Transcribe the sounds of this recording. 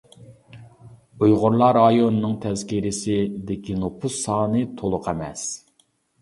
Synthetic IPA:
ujʁʊɾlˠɑɾɑjonɨnɨŋt̪ʰɛzkʲiɾɪsɪd̪ɪkʲinopʰusɑːnɨt̪ʰolˠʊqʰɛmɛ̰s

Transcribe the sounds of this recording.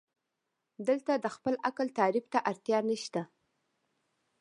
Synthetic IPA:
d̪əlt̪ad̪əxpəlakəlt̪ɑɾibt̪aʔaɾt̪jɑnəʃt̪a

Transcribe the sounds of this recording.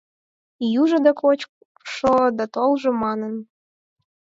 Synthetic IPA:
juʒə̆d̪ɑkot͡ɕ | ʃod̪ɑt̪olˠʒɤ̆mɑnən

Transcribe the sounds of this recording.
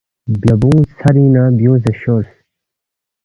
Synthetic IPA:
bjɐbũːsɐɾĩːnaːbjũːs̬eɕoːɾs

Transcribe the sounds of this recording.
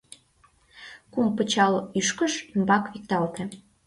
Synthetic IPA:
kumpət͡ɕɑlyʃkəʃymbɑkβik̚t̪ɑlt̪ĕ

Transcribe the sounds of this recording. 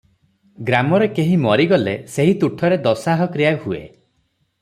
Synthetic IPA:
ɡɾamɔɾekeɦimɔɾiɡɔleseɦit̪uʈʰɔɾed̪ɔsaɦɔkɾijahuḛ

